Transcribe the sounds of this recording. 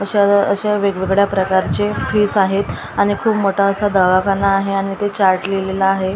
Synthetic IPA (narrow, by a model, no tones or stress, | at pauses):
əɕaəɕaʋeɡʋeɡɽjapɾəkaɾt͡sefiːsaɦet̪ | aɽ̃ikʰuːpmoʈʰaəsad̪aʋakanːaːɦeaɽ̃it̪et͡ɕaɾʈlelelaːɦe